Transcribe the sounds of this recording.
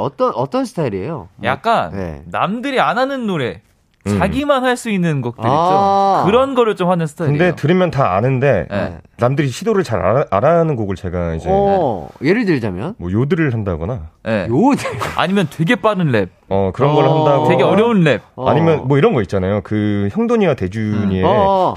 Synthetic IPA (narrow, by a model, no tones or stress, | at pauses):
ʌt͈ʌnʌt͈ʌnsʰɯ̥tʰaiɾie̞̰joja̰k̚k͈anḛːa̰mdɯɾiananɯnːoɾe̞ | t͡ɕaɡimanhaɭs͈uinːɯnɡʌk̚t͈ɯit͡ɕokɯɾʌnɡʌɾɯɭt͡ɕomhanɯnsʰɯ̥tʰaiɯnde̞otɯɾɯmjʌntaanɯnde̞jḛnamdɯɾiɕʰidoɾɯɭt͡ɕaɾa̰aɾanɯnɡoɡɯɭt͡ɕe̞ɡaid͡ʑejeɾɯɭdɯɭd͡ʑamjʌnmwʌjodɯɾɯɭhandaɡʌnaje̞̰joda̰ɲimjʌntweɡe̞p͈aɾɯnɭe̞b̚ʌkɯɾʌnɡʌɭhandaɡoeɡeʌɾjʌunɭe̞b̚a̰ɲimjʌnmwʌiɾʌnɡʌit̚t͡ɕ͈anajokɯçjʌŋdoɲiɾatwe̞d͡ʑuɲie